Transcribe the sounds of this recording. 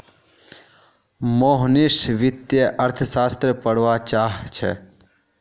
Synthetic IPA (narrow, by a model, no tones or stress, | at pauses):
moːɦnɪʃʋɪt̪jəʔəɾt̪ʰsaːst̪ɾəpəɽʋat͡ʃaːɦt͡ʃʰɛ̰